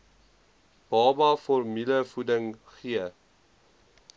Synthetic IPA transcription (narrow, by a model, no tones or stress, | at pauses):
b̥ɑːbɑfɔrmiləfudəŋχiə